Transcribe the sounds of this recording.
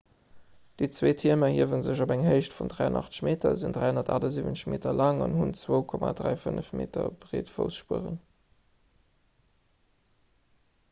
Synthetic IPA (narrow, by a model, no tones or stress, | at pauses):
d̥it͡sweːtʰiəmɐhiəvənzəɕobæŋɦəɪʃtfundʁæɪənʔɑ̰χtt͡sə̥ʃmeːtʰɐzindʁæɪhondɐtaːdɐziːvənə̥ʃmeːtɐlɑŋɑnhunt͡swoʊkʰɔmaːdʁæɪfənəfmeːtʰɐb̥ʁeːtfo̰ʊsʃpuəʁə̰n